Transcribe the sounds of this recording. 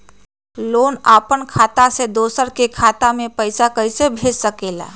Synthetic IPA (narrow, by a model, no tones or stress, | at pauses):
loːnaːpənkʰaːt̪ased̪oːsəɾkekʰaːt̪amẽpəɪsakəɪsebʱeːd͡ʒsəkeːla̰ː